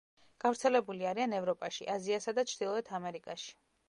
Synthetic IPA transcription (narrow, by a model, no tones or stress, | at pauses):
ɡ̥avɾt̪sʰɛlɛbuliaɾianɛvɾɔpʼaʃiʔaziasad̪at͡ʃʰɾd̪̥ilˠɔɛt̪ʰamɛɾikʼaʃi̥